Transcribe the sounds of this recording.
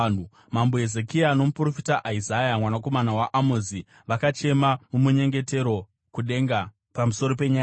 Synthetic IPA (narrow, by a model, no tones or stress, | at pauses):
n̤u | mamboezekiano̞mupuro̞fitaʔaizajamwanako̞manawaʔamozi | ʋakat͡ʃe̞mamumuɲe̞ŋɡe̞te̞ɾo̞ | kuɗe̞ŋɡa | pamuso̞ɾope̞ɲa